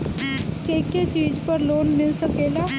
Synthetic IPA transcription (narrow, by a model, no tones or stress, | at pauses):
keːket͡ʃiːd͡ʒpəɾloːnmɪlsəkeːlaː